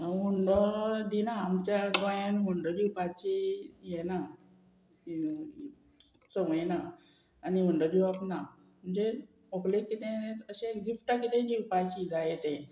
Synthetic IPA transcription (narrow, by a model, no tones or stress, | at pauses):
muɳɖɔd̪inaːmt͡ɕjaɡɔjanmuɳɖɔd͡ʑiupat͡ɕijɛna | səməjnaː | niuɳɖɔd̪iwapna | m̤əɳd͡ze | oklekit̪ẽəɕẽɡifʈakit̪ẽd͡ʑiupajt͡ɕid͡zajet̪ẽ